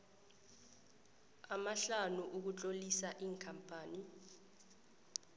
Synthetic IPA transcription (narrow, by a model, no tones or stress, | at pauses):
amaɬanuʔuk̬ut͡ɬʼolisaʔiːŋkʰampʼaːni